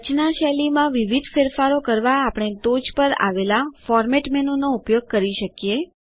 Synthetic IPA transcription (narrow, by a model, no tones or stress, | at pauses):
ət͡ʃnaʃɛlimãʋiʋid̪ʱfeɾfaɾokəɾʋaːpəɳ̃et̪od͡ʒpəɾa̰ʋelafɔɾmeʈmɛnunoupjoɡ̚kəɾiʃəkije